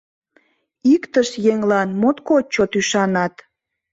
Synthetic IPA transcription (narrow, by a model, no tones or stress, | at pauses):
ikt̪əʃjeŋlɑnmot̪kot͡ɕːot̪yʃɑnɑt̪